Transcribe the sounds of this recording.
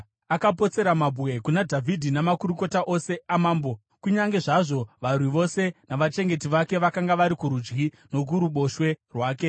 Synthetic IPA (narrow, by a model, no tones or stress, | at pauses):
akapo̞t͡se̞ɾamabʱuwe̞kunadʱavʱidʱinamakuɾuko̞taʔose̞amaːmbo̞ | kuɲaŋɡe̞ʐaʐo̞ʋarwiʋo̞se̞naʋat͡ʃe̞ŋɡe̞tiʋake̞ʋakaŋɡaʋaɾikuɾud͡ʒɡi | no̞k̬uɾuɓo̞ʃwe̞rwaːke̞